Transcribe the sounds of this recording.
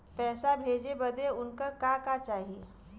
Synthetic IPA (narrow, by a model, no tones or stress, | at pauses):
pɛːsabʱeːd͡ʒebɐd̪eʊnkakakat͡ʃaːɦieː